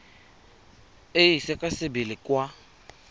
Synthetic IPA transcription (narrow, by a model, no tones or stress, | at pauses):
eisɛkʼasɪbilɪkʼwa